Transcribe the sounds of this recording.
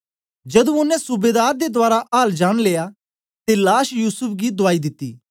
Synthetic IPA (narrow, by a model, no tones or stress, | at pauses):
d͡ʒɐd̪ũʊnɛ̃sʊbeːd̪aːɾd̪ed̪ʊaːɾaʔaːld͡ʒaːɽ̃leːja | t̪elaːʃjuːsʊpʰɡid̪ʊaːid̪ɪt̪ːḭː